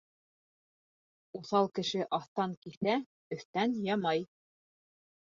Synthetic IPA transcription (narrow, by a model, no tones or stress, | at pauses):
uθɑlˠkɘ̆ʃɘʔɑθt̪ɑŋkiθæ | ɵ̆θt̪ænjɑmɑj